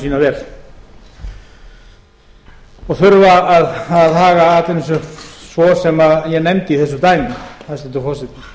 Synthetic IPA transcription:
siːnavɛɾ | ɔɣθʏɾvaːðaððhaːɣaat̪lɪns̬ʏsvɔsɛmaðjɛɣnɛmt̪ɪiθɛsːʏt̪aːjmɪθaðst̪ɛt̪ʏfɔsɛt̪nɪ

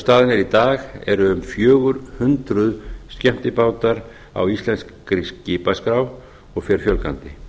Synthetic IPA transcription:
st̪aːðɪnɛɾit̪aːɣɛ̰ɾʏʏmfjœːɣʏɾhʏnt̪ɾʏðscɛm̥t̪ɪpaːwt̪aɾ | a̰wist̪lɛnskːɾisɪːpaskɾaw | ɔɣfɛɾ̥fjœlkant̪ɪ

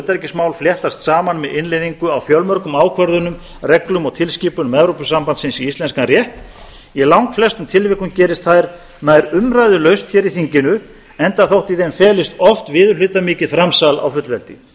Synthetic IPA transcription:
t̪ɛɾcɪsmaːwlfljɛht̪ast̪saːmanmɛðʔɪnlejðiŋkʏawfjœlmœɾkʏmaːwkʰvœɾðʏnʏm | rɛklʏmɔɣt̪ʰɪlsciːpʏnʏmɛvɾopʏsampant̪sɪnsiist̪lɛnskanrjɛht̪ | ilawŋkflɛst̪ʏmt̪ʰɪlvɪhkʏmcɛːɾɪst̪θaðɾ | naðɛɾʏmɾajðʏlœɥst̪çɛːɾiθiɲcɪnʏ | ɛnt̪aθowht̪iθejmfɛːlɪst̪ɔft̪vɪːðʏlʏːt̪amiːcɪðfɾamsala̰wfʏt̪lvɛlt̪ɪ

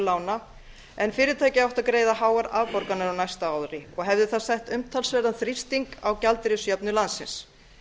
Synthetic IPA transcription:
laːwna | ɛnfɪːɾɪt̪ʰaːjcɪawht̪akɾeːjðaɦaːwaɾaðpɔɾkanːaɾawnajst̪aawðɾɪɔɣɦɛvðɪθasɛht̪ʏmt̪ʰalsvɛɾðanθɾist̪iŋkawcalt̪ɾɪsjɛpnʏlansːɪ̰ns

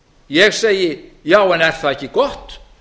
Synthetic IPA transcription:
jɛɣsejɪjaːwɛnɛr̥θaðɛhcɪkɔht̪

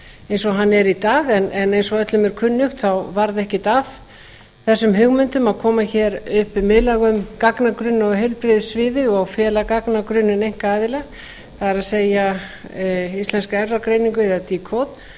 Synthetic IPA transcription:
ejnsɔɦanːɛɾit̪aːɣɛnɛnejnsɔœt̪lʏmɛɾ̥kʰʏnːʏxt̪θawvaɾðɛhcɪt̪af | θɛsːʏmɦʏɣmʏnt̪ʏmaðkʰɔːmaçɛːɾʏhpɪmɪðlaɣʏmkaknakɾʏnːɔɣɦœɥlpɾɪðsvɪːðɪɣɔawfjɛːlakaknakɾʏnːɪnejŋ̥kaaːðɪlɛɣ | θaðaɾaðseːja | ist̪lɛnskaɛvrakɾejniŋkʏɛðat̪ikʰowt̪

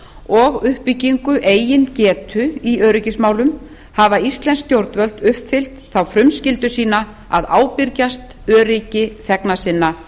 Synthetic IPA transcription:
ɔɣʏhpiciŋkʏʔeːjɪncɛːt̪ʰʏiœːɾʏcɪsmaːwlʏm | havaist̪lɛnst̪jowɾt̪vœlt̪ʏhpfɪl̥t̪θawfɾʏmscɪlt̪ʏsiːna | a̰ðaːwpɪɾcast̪ | œːɾɪcɪθɛknasɪnːa

